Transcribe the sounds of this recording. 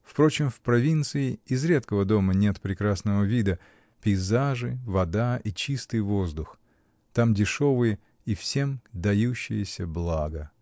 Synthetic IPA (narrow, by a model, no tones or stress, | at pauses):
fpɾo̞t͡ɕɪmfpɾɐvʲint̪sɨɪɪzɾʲe̞t̪kəvəd̪o̞mənʲe̞t̪pɾʲɪkɾasnəvəvʲid̪ə | pʲɪɪzaʐɨvɐd̪aʔit͡ɕist̪ɨjvo̞zd̪ʊx | t̪amdʲɪʂo̞vɨjə | ifsʲe̞md̪ɐjuɕːɪ̰jəsʲəblˠaɡə